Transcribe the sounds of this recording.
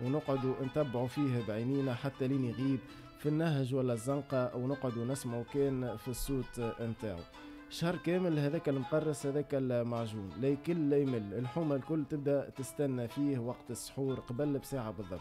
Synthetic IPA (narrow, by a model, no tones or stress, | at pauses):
wnʊqʕʊd̪unt̪æbːʕufiːhbʕiːniːnæħat̪ːæliːniɣiːb̚ | finːæɦʒwælːæzˤːɑnqɑwnʊqʕod̪unæsmokɛːnfisˤːuːt̪mt̪a̰ːʕṵ | ʃhɑrˤːkɛːmɪlhɛðɛːkælmqɑrˤːɑshæðɛːkælmaʕʒuːnlɛːkɪnːɛjmɪlːɪlħuːmalkʊlːt̪ɪb̚d̪æt̪ɪst̪ænːæfiːhwɑqt̪əsːħuːɾqɑbælbsaːʕabɨðˤːɑ̰bt̪